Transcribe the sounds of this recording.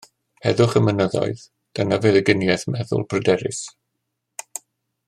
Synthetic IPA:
hɛðʊχəmənəðɔ̰ɨð | d̥anavɛðəɡɪnjɛθmɛðʊ̰lˠbrədɛɾɪ̰s

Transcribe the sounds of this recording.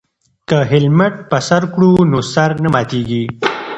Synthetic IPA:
kaɦɪlməʈ̚pəsaɾkɽunosaɾnamɑːt̪iɡi

